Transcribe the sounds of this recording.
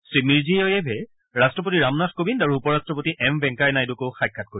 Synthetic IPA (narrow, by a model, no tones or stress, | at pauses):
sɹimiɹziɔjɛbʱɛ | ɹastɹɔp̬otiɹamnaxkobindaɹuupɔɹastɹɔp̬otiʔɛmbɛ̃ŋkajnajdukowxajkʰːat̚koɹi